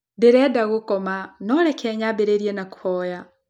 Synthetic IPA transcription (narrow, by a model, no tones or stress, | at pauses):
deɾɛdaɣokɔmanɔɾɛkʰɛɲabeɾeɾiɛnakwɔja